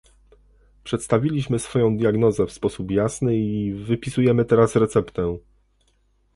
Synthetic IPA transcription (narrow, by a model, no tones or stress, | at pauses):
pʂɛt̪st̪avʲilʲiɕmɘsfɔjɔ̃w̃d̪ʲjaɡnɔzɛfspɔsupjasnɘivɘpʲisujɛmɘt̪ɛɾasɾɛt̪sɛpt̪ɛ